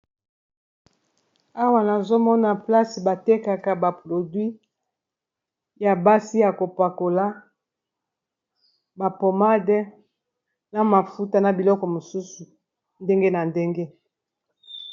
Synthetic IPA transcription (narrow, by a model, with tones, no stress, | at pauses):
a˦wa˨na˨zo˦mɔ˦na˨pla˦si˨ba˨te˦ka˨ka˨ba˨pʁo˨dwi˦ | ja˨ba˦si˦ja˨ko˨pa˨ko˨la˦ | ba˨po˨ma˦dɛ˦ | na˨ma˨fu˦ta˨na˨bi˨lɔ˦kɔ˨mo˨su˦su˨ | nde˦ŋɡe˦na˨nde˦ŋɡe˦